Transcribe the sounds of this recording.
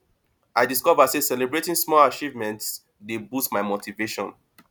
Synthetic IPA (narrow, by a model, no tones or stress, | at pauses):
ʔaɪdiskɔvasesɛlɛbɹetĩŋsmɔlat͡ʃivmɛ̃nts | debustmaɪmotʰiveʃɔ̰̃n